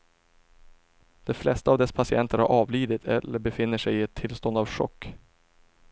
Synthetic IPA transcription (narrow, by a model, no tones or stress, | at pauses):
d̪̥ɛflɛst̪əaːvd̪ɛspʰasɪɛnt̪əɾhaɾʔɑːvliːd̪ɪt̪ʰɛ̰lːəɾbɛfɪnːəʂɛjɪɛt̪ʰːɪlst̪ɔnd̪avɧɔ̰kː